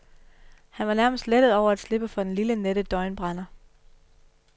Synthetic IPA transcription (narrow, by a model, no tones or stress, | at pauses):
hænʋɑ̈næɐməsd̥led̥əð̞̩ˠɒʊ̰ɐæd̥sle̝b̥əfɒ̽d̥enliləneɾ̥əd̥ɒ̽ɪnb̥ʁɑnɐ